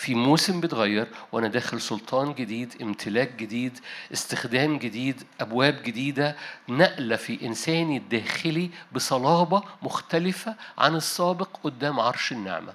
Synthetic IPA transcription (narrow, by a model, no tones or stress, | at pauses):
fimuːsembet̪ɣæjːɑɾˤwʔænæd̪æːxelsolt̪ʰˤɑːnɡed̪iːd̪ʔɪmt̪ʰɪlæːk̚ɡed̪iːd̪ʔɪst̪ɪxd̪æːmɡed̪iːd̪ʔæbwæːbɡɪd̪iːd̪ænæʔlæfiʔɪnsæːnid̪ːæːxɪlibɪsˤɑlɑːbɑmʊxt̪ælɪfæʕa̰nesˤːɑːbeqʔod̪ːæːmʕɑɾˤʃɪnːḛʕmæ̰